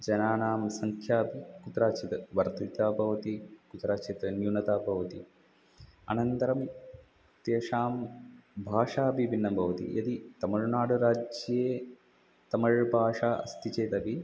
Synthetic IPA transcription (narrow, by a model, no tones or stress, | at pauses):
d͡ʒɐnaːnaːmsɐŋkʰjaːpikut̪ɾaːt͡ʃit̪ɐʋɐɾt̪ɐt̪aːbʱɐʋɐt̪ikut̪ɾaːt͡ʃit̪ɾɐnjunɐt̪aːbʱɐʋɐt̪i | ɐ̰nɐnt̪ɐɾɐm | t̪eːʂaːmbʱaːʂaːɐpibinːɐbʱɐʋɐt̪ḭjɐt̪it̪ɐmɐɻnaːɽuɾaːd͡ʒjeː | t̪ɐmɐɻbʱaːʂaːɐ̰st̪it͡ʃeːt̪ɐbi